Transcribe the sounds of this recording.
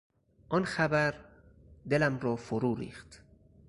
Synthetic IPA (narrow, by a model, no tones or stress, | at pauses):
ʔɒnxæbæɾ | d̪elæmɾɒːfoɾuːɾḭːxt̪